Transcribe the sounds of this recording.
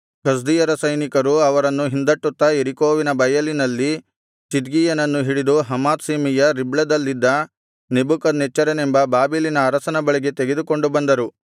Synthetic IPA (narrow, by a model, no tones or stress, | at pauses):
kɐs̬d̪ijɐɾɐsɐjnikɐɾuɐʋɐɾɐnːuɦind̪ɐʈːut̪ːɐeɾikoːʋinɐbɐjɐlinɐlːi | sid̪ɡijɐnɐnːuɦiɭid̪uɦɐmaːt̪siːmijɐɾibɭɐd̪ɐlːid̪ːɐ | nebukɐd̪net͡ʃːɐɾɐnembɐbaːbilinɐːɾɐsɐnɐbɐɭiɡe̞t̪eɡe̞d̪uko̞ɳɖubɐnd̪ɐɾu